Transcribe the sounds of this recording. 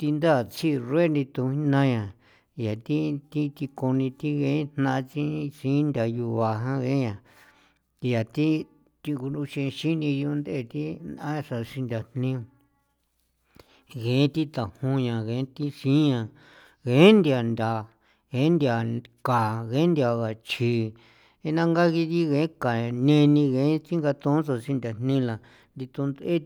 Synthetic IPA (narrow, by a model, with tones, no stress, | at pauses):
t̪i˧nd̪a˦˨t͡si˦˧re˦˧nĩ˧t̪u˧ĩ˦nã˦ɲã˨ | ja˨t̪i˦t̪i˦t̪i˧ko˧nĩ˧t̪i˦ɣẽ˧˦n̥nã˧t͡ʃi˦˧sĩ˦nd̪ʲa˧ju˧βa˨ɦã˦ɣẽ˦ɲã˧ | ja˨t̪i˦ | t̪i˧ku˧nũ˧ʃĩ˧ʃi˦nĩ˧ju˧nd̪e˦˧˨t̪i˦nã˦a˧ʂa˧ʂi˧nd̪ʲa˧n̥nĩ˧ | ɣẽ˨˦t̪i˦t̪a˨hũ˧ɲã˧ɣẽ˨˦t̪i˦ʂĩ˦ɲã˧ | ɣẽ˨˦nd̪ja˧˨nd̪ʲa˧ | ɣẽ˨˦nd̪i˧a˧ka˨ɣẽ˨˦nd̪i˧a˧ɣa˨t͡ʃʰi˧ | e˧nã˦ŋɡa˦ɣi˧ði˦ɣẽ˧˦kã˨˧nẽ˧nĩ˧ɣẽ˨˦t͡ʃi˦ŋɡa˧t̪ũ˧˦so˧ʂi˧nd̪ʲa˨n̥nĩ˦˧la˨ | nd̪i˧t̪ũ˧nd̪e˦